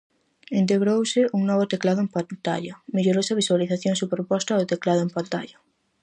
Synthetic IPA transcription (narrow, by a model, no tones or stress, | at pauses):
ent̪̬eɣɾowseʔuŋnoβ̞ot̪eklaðoempant̪a̰ʎameʎoɾosaβiswaliθaθjoŋsupɾopost̪aðot̪eklaðoempant̪a̰ʎa